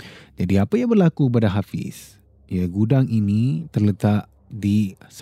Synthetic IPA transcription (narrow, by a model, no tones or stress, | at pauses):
d͡ʒadiapajaŋbərlakubadaɦafɪ̰s | jaɡudaŋinit̪ərlət̪aʔ | dis